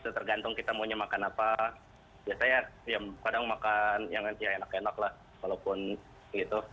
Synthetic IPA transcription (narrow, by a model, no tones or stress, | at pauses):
t̪at̪ərɡant̪ʊŋkit̪amuɲamakanapa | biasajajaŋkadaŋmakanjaŋjaenakenaklah | walapʊn | ɡit̪u